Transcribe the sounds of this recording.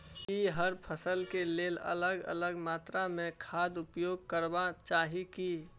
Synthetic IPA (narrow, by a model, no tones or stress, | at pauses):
kiɦəɾpʰəsəlkeleːlə̰ləɡə̰ləɡmaːt̪ɾamẽkʰaːd̪ʊpjoːɡ̚kəɾbat͡ʃaːɦiki